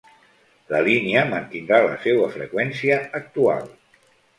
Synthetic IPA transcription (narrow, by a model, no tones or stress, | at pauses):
ləliniəmənt̪ind̪ɾalə̰sewəfɾə̰kwɛnsiəːk̚t̪ua̰lˠ